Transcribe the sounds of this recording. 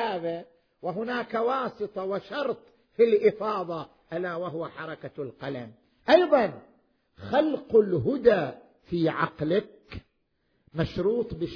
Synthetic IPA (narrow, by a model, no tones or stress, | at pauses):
aːba | wɪɦʊnaːkawɑːsˤɨt̪ˤɑwaʃɑɾˤt̪ˤ | filʔɪfɑːðˤɑ | ʔalawaɦʊwaħɑɾˤɑkalqɑla̰m | ʔɑjðˤɑn | xalqʊlɦʊd̪a | fiːʕɑ̰qlak | maʃɾuːt̪ˤbɪ